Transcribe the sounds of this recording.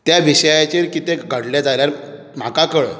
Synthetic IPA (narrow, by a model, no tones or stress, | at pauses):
t̪jaʋiɕəjat͡ɕeɾkit̪eɡʱəɽljad͡zaljaɾ | m̤akakəɭə̰